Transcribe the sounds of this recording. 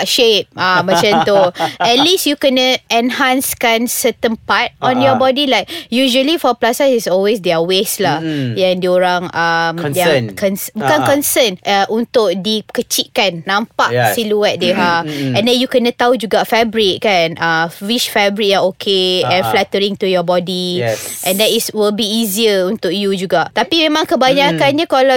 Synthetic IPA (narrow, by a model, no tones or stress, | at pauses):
ʃep̚amãt͡ʃãnt̪uɛt̪̚lisjukənəɛ̃nhãnskanːət̪ə̃npat̚ɔ̃njɔbɔdilajk̚juʒəlifɔplasasisɔlwes̬dɛaweslahjãŋdioɾãŋamjãŋkɔnsbukãnkɔ̃nsənʔaʔunt̪ʊk̚dikət͡ʃiʔ̚kanːãmpaʔʔsiluɛt̪̚deɦafɛ̃ndɛ̃njukənãt̪aud͡ʒuɡafɛbɾit̪̚kanawit͡ʃfɛbɹit̚jaokʰeɛ̃nflɛt̪əɾĩŋt̪ujɔbɔdiʔɛ̃ndɛtiswilbiːziəunt̪ʊk̚jud͡ʒuɡaʔt̪apimẽmãŋkəbaɲakanɲãkala